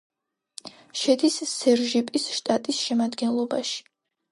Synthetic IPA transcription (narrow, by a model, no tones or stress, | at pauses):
ʃɛd̪isːɛɾʒipʼisʃt̪ʼat̪ʼisʃɛmad̪ɡɛnlˠɔbaʃi̥